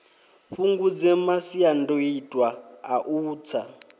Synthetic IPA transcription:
ɸuŋɡud͡zɛmasiandoitʼwaaʔuːt͡sʰa

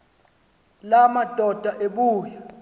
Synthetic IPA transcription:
lamad̥ʱɔd̥ʱaʔeɓuːja

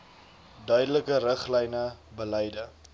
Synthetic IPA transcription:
dœɥdələkərəχlɛjnəbəlɛjdə

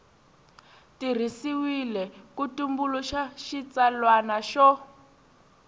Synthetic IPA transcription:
tir̤isiwilɛkutumbuluʃaʃit͡salwanaʃɔ

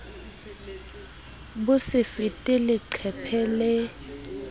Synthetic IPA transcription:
busɪfitʼilɪǀʰɛpʰɛlɛ

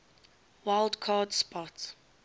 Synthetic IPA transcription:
waɪldkʰɑːdspɔt

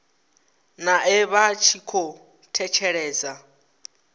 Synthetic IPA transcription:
naɪβat͡ʃʰikʰɔ | tʰɛt͡ʃʰɛɺɛːd͡za

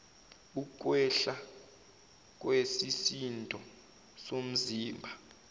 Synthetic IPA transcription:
uk̬ʼwɛɬa | k̬ʼwesisintʼɔ | som̩ziːmbʱa

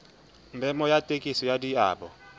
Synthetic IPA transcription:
mbʱɛmɔjatʼekʼisɔjadia̰ːɓɔ̰

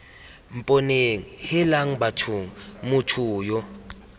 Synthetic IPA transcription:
m̩pʼoneŋihɪlaŋ̩batʰuŋ̩mutʰuːjɔ

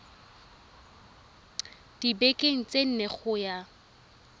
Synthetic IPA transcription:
d̥ibekʼeŋ̩t͡sʼen̩neχʊja

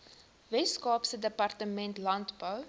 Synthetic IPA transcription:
vɛskɑːpsədəpɐrtəmɛntlɐntbəw

